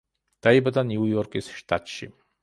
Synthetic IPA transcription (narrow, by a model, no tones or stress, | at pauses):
d̪̥aibad̪anjujɔɾkʼisʃt̪ʰʼat̪ʃḭ